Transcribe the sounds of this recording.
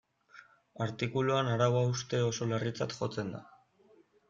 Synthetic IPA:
aɾt̪ikuluanaɾawaust̪e̞o̞so̞larit͡sa̰t̪xo̞t͡se̞nd̪a̰

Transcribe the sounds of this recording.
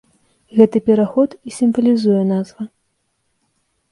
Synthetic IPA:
ɣɛt̪ɨpʲɛɾaxɔt̪isʲimvɐlʲizujɛn̪azvɐ

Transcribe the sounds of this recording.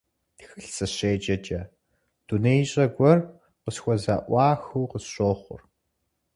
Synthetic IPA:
xɨɬt͡sʼɐɕeːt͡ʃʼɐt͡ʃʼɐ | d̥unejɕʼɐɡʷɔr | qəsxʷɔzaːʔʷɑːxuːqəsɕoːχʷʊ̰r

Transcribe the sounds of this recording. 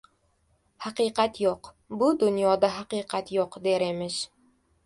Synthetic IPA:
haqɨqat̪joq | bʊd̪ʊnjɒd̪aɦaqɨqʰat̪joqd̪eɾemɪʃ

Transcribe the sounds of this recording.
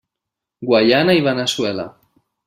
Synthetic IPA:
ɡwaʎanaiβanaswela̰

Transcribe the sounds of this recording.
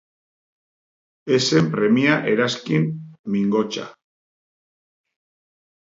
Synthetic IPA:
e̞se̞mpɾe̞miaʔe̞ɾaskinmiŋɡo̞t͡ʃa̰

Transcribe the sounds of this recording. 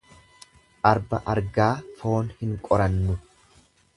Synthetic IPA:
ʔɐɾbɐʔɐɾɡaːfo̞ːnhɪŋkʼɔɾɐnːʊ

